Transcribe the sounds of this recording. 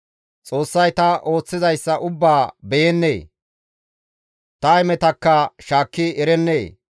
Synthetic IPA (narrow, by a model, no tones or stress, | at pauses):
t͡sʼo̞ːsːɐjt̪ɐʔo̞ːt͡sːɪzɐjsːɐʔʊbːaːbɛjɛnːḛː | t̪ɐɛmɛt̪ɐkːɐʃaːkːɪɛɾɛnːeː